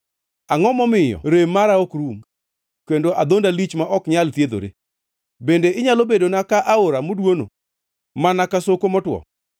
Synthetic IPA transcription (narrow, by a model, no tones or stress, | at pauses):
aŋɔmɔmɪjɔ̰ɾemaɾaokɾum | kendoʔad̪ondalit͡ʃmaʔɔkɲalt̪jed̪o̰ɾḛ | bendeɪɲalobedonakaʔaoɾamodwono̰ | manakasokomɔtwɔ̰